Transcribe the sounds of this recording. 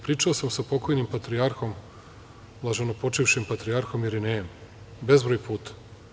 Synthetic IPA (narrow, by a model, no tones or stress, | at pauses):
pɾiːt͡ʂaosamsapo̞ko̞jnimpat̪ɾiaɾxo̞m | lˠaʒenopo̞t͡ʃiʋʃimpat̪ɾiaɾxo̞mjeɾineːm | be̞zbɾoːjpʰuːt̪ḁ